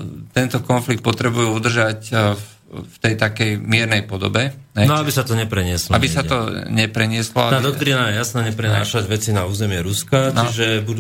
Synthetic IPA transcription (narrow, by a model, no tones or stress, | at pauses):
t̪ɛnt̪ɔkɔnflik̚t̪̚pɔt̪ɾɛbujuud̪r̩ʒac | ft̪ɛjt̪akɛjmɪɛɾnɛjpɔd̪ɔ̰bɛɦɛnabisat̪ɔɲɛpɾɛɲɪɛslɔa̰bisat̪ɔɲɛpɾɛɲɪɛslɔ̰aad̪ɔkt̪ɾinajɛjasnaːɲɛpɾɛnaːʃaɟʋɛt͡sinauːzɛmɪɛɾuskant͡ʃiʒɛbud̪